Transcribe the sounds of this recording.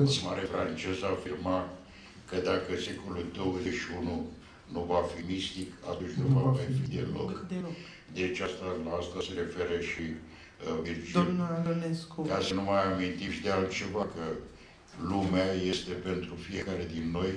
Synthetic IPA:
maɾefɾant͡ʃe̞zafirma | kəd̪akəse̞ko̞luld̪o̞wəzeʃiunu | nuvafimist̪ika̰t̪unt͡ʃʲnuvamajfid̪ḛlo̞̰kkd̪elok | d̪et͡ʃast̪alaast̪aseɾe̞fe̞ɾəʃi | vild͡ʒd̪imnuad̪oneskukasənumajamint̪iʃid̪ealt̪̚t͡ʃe̞vakə | lumeaje̞st̪e̞pe̞nt̪ɾufije̞kaɾe̞d̪inːo̞j

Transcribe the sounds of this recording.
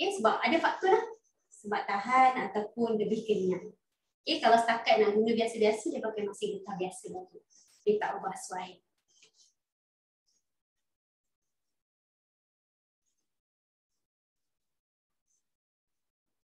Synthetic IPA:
esəbap̚adəfak̚t̪ulah | səbap̚t̪aɦanat̪awpʊnləbihkəniaʔ | kekalawsə̥t̪akat̪̚naŋɡunɡəbiasəbiasədəpakajmasɪŋbət̪ahbiasəbat̪uʔ | dit̪aʔabaasuaɪ

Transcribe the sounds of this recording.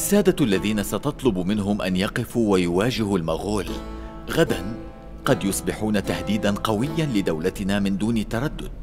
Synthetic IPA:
ʔʔasːaːd̪aʔalːaðiːnasɑt̪ɑt̪ˤlʊbmɪnɦʊmʔa̰njɑqɪfuːwajʊwaːd͡ʒɪhalmaɣuːl | ɣad̪an | qɑd̪jʊsˤbɪħuːnat̪ahd̪iːd̪anqɑwɪjːanlɪd̪awlat̪ɪnaːmɪnd̪uːnɪt̪ːɑɾˤɑd̪ːʊ̰d̪̚

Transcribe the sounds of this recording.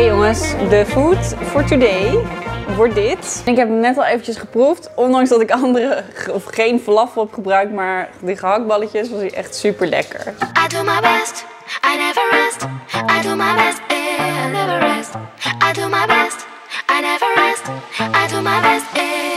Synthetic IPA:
joŋəsdəfuːtfɔɹtudejʋɔɹt̚dɪtnɪkɦɛpənɛtɑlˠejvənt͡ʃəsχəpruftɔndɑŋsdɑtɪkɑndərəɔfχejnflɑfəlˠɦɛpχəbrœɥk̚tmaːɹdəχəɦɑk̚bɑləcəsʋɑsdiʔɛ̰χtsypəɹlɛ̰kə̰ɹadumaɪbɛst | aɪnɛvəɹɛstaɪdumaɪbɛstnɛvəɛstaɪdumaɪbɛst | aɪnɛvə˞ɛstaɪdumabɛst

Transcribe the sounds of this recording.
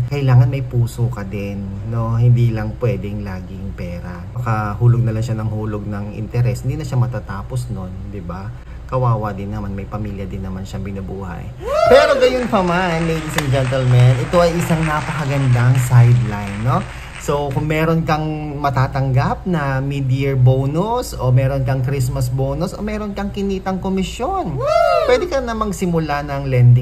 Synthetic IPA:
kɐʔɪlaːŋɐnmɐjpuːsokɐd̪ɪnːo̞hɪnd̪iːlɐŋpwɛːd̪ɛŋlaːɡɪŋpɛːɾɐ | ɐkahuːloɡ̚nɐlaŋʃanɐŋhuːloɡ̚nɐŋɪ̰nt̪ɛɾɛshɪnd̪iːnɐʃamɐt̪at̪aːposno̞nd̪ɪba | kɐwaːwɐd̪ɪnːɐmanmɐjpɐmiːljɐd̪ɪnːɐmanʃɐŋbɪnɐbuːhɐ̰j | pɛːɾo̞ɡɐjʊnpɐmanlejd̪isɛnd͡ʒɛnt̪ɛlmɛnʔɛt̪o̞ʔɐjʔɪsaŋnapɐkɐɡɐnd̪aŋsajd̪lajnːo̞ | sowkʊŋmɛːɾo̞nkɐŋ | mɐt̪aːt̪ɐŋɡap̚nɐmid̪ɪɛɹboːnʊso̞mɛːɾo̞nkɐŋkɾis̬mɐs̬boːnʊsʔo̞̰mɛːɾonkɐŋkɪniːt̪ɐŋkomɪsjo̞npwɛd̪ɛkɐnɐmɐɡsɪmʊlanɐŋlɛnd̪ɪ

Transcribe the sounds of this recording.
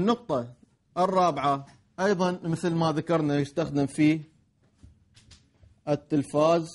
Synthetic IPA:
nːʊq̚t̪ˤɑ | ʔərˤːɑːbɪʕa | ʔɑjðˤɑnmɪθlmaðakɑɾˤnajɪst̪axd̪ɪmfiː | ʔɪt̪ːɪlfaːz

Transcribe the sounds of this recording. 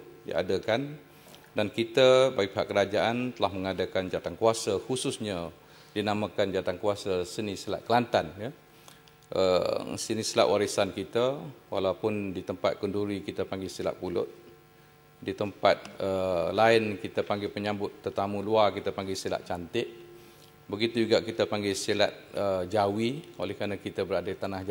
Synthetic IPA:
dḭa̰dakan | dankit̪əbaɡiʔpeɦaʔkːəɾad͡ʒaʔant̪əlahməŋadakand͡ʒat̪ankuasahususɲa | dinamãkand͡ʒat̪ankuwasasənisila̰ʔkəlant̪anjə | ʔəsənisila̰ʔwʔaɾisankit̪əwa̰laupʊndit̪əmpat̪̚kunduɾikit̪apaŋɡisila̰t̪̚pulʊt̪̚ | dit̪əmpat̪̚əlaɪnkit̪apaŋɡɪpəɲãmbʊt̪ːərt̪amũluakit̪apaŋɡɪsila̰ʔ̪̚t͡ʃant̪ɪʔ̚ | bəɡit̪ud͡ʒuɡaʔkit̪apaŋɡesila̰t̪̚əd͡ʒawio̰lɛhkɾanãkit̪abəɾadait̪anahd͡ʒ

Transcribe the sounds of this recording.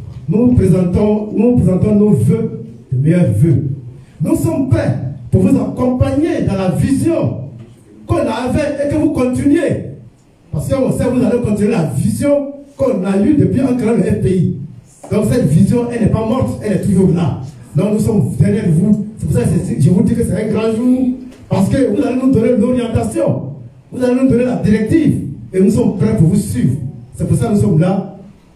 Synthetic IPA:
nupez̃tɔ̃nũpɾezãtɔ̃novø | dəmejɛvø | nusɔmpɾɛpuvuzakɔ̃paɲedãlavizjɔ̃ | konavɛekẽvukɔ̃tinɥe | paskwɔ̃sɛ̃vuzalekɔ̃tinyelavizjɔ̃konalydəpiãkaɾɛ̃loɛfpei | dɔ̃ksɛtvizjɔ̃ʔɛnɛpamɔɾtɛnɛtujoɡla | dɔ̃kvusɔ̃mdɛɾɛʒevusɛpusasɛʒevudikesɛɛ̃ɡɾãʒu | paskevuzaleũdoneloɾiãntasjɔ̃ | vuzalenũdoneladiɾɛk̚tivenũsɔ̃mpɾɛpuvusivsɛpusavũsɔ̃mula

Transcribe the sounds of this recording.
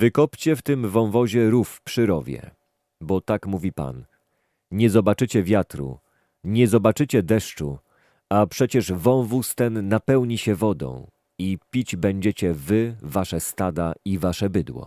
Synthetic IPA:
vɘkɔpt͡ɕɛft̪ɘmvɔ̃w̃vɔʑɛɾufpʂɘɾɔvʲjɛ̰ | bɔt̪akmuvʲipa̰n | ɲɛzɔbat͡ʂɘt͡ɕɛvʲjat̪ɾṵ | ɲɛzɔbat͡ʂɘt͡ɕɛd̪ɛʂt͡ʂu | apʂɛt͡ɕɛʐvɔ̃w̃vust̪ɛnːapɛwɲiɕɛvɔd̪ɔ̰̃w̃ | ipʲid͡ʑbɛɲd͡ʑet͡ɕɛvɘvaʂɛst̪ad̪aivaʂɛbɘd̪wɔ̰

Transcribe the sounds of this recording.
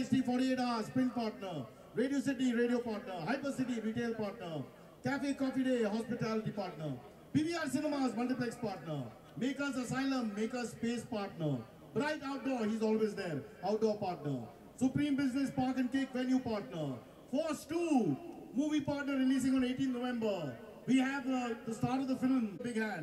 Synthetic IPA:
esʈifɔːɾʈieːʈaːspɾɪ̃npaːɾʈnəɾ | ɾeːɖios̬ɪʈ̬iɾeːɖiopaːɾʈnəɾɦaɪpəsɪʈ̬iɾiʈeːlpaːɾʈnəɾ | kæfekɔːfiɖeːɦɔspɪʈalʈipaːɾʈnəɾ | piːbiːaːɾsɪnəmasmɐlʈiplɛkspaːɾʈnəɾ | meːkɐs̬ɐsaɪlə̃mːeːkɐspeːspaːɾʈnəɾ | bɾaɪʈaʊʈ̚ɖɔːɾhiːzɔːlʋeːzd̪eːɾaʊʈ̚ɖɔːɾpaːɾʈnəɾ | sʊpɾĩːmbɪznespaːɾkɛ̃nkekʋɛljupaːɾʈnəɾ | fəɾsʈuːmuːʋipaːɾʈnəɾːɪliːs̬ɪ̃ŋɔ̃neːʈĩnnoʋɛ̃mbəɾ | ʋiːɦɛʋd̪əsʈaːɾʈɔvd̪əfɪlmbɪɡɦæ̃n

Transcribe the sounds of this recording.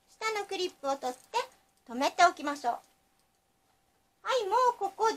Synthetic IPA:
ɕi̥t̪ano̞kɯ̟ɾʲipːɯ̟ot̪o̞t̪ːe̞ | t̪o̞me̞t̪e̞okʲimaɕo̞ː | haimoːko̞ko̞d̪

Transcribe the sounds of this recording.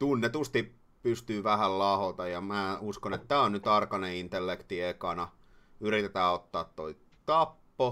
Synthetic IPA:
t̪unːet̪ust̪ip | pyst̪yːʋæhællɑhot̪ɑjɑmæːuskonet̪t̪ːæːonnyt̪ɑrkɑneint̪elːekt̪iekɑnɑ | yrit̪et̪æːot̪ːɑːt̪toi | t̪ɑpːo

